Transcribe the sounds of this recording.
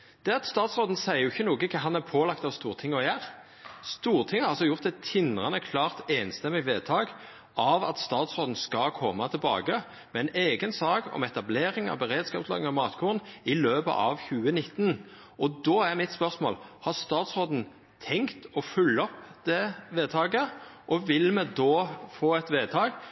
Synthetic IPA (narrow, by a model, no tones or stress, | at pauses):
d̪̥ɛɑt̪st̪ɑːt̪sʁoːd̪n̩sæɪəjʊɪçːənuːɡəkʰɑɦɑnæpʰoːlɑkt̪ɑʋst̪uːʁt̪ʰɪŋːɔjæːʁ | st̪uːɾt̪ʰɪŋːəhɑɾʁɑlsɔjʊʁt̪ɛt̪ʰːɪnʁɑnəkʰlɑːʁt̪eːnst̪ɛmɪʋeːt̪ʰɑːɡ | ʔɑʋɑ̰t̪st̪ɑːt̪sʁoːd̪n̩skɑkʰɔmːɑt̪ʰɪlbɑ̰ːɡə | mɛɛneːɡənsɑːkɔ̰mɛt̪ɑbleːɾɪŋɑ̰ʋbəʁeːd̪skɑːpslɑ̰ːɡɪŋɔmɑːt̪kʰuːʁnɪløːpə̰ʔɑʋçʉːənɪt̪ːn | ʔɔd̪oːæʁmɪt̪spœʁsmo̰ːlhɑʁst̪ɑːt̪sʁoːd̪n̩ | t̪ʰɛŋkt̪ɔfʉlːɔpd̪̥ɛʋeːt̪ʰɑːɡəʔɔʋɪlmɛd̪oːfoːɛt̪ʋeːt̪ʰɑːɡ